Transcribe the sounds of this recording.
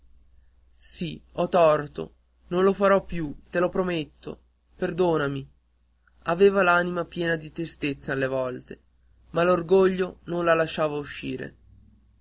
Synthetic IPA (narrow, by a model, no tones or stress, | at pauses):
siɔt̪ːɔrt̪o̰ | nonlofaɾɔpːjut̪elopɾomet̪ːo̰ | perd̪oːnami | aveːvalaːnimapjɛːnad̪it̪ɾist̪et̪salːevɔlt̪e | malorɡoʎːononlalaʃːaːvauʃːḭːɾḛ